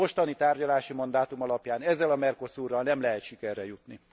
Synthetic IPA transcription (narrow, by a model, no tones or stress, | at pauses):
o̞ʃt̪ɒnit̪aːrɟɒlaːʃimɒnd̪aːt̪umɒlɒpjaːnɛzːɛlɒmɛrko̞suːrːɒlnɛmlɛɦɛt̪ʃikɛrːɛjut̪ni